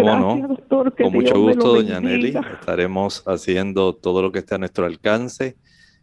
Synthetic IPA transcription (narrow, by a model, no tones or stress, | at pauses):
monoðot̪oɾkkoŋmut͡ʃoɣust̪oðoɲaneliḛst̪aɾe̞mo̞sasje̞nd̪o̞t̪o̞ðo̞lo̞kest̪eanwe̞st̪ɾoalkanse̞